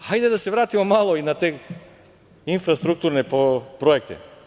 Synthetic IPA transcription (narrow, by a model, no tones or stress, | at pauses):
ajd̪ɛd̪asɛʋɾaːt̪imomalˠoinat̪e | infɾast̪ɾuk̚t̪uɾnɛpopɾoek̚t̪ɛ̰